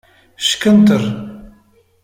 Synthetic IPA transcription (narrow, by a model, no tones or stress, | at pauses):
ʃkənt̪əɾˤ